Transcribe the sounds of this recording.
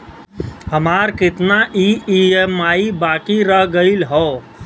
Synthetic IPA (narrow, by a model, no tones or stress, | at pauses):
ɦəmaːɾkɪt̪naʔiiemaːibaːkiɾəɦɡəilɦɔː